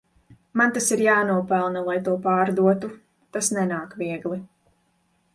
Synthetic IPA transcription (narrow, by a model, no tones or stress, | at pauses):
mant̪asiɾjaːnuɔpɛlˠnɐlˠajt̪uɔpaːɾd̪uɔt̪u | t̪asnɛnaːkviɛɡlˠi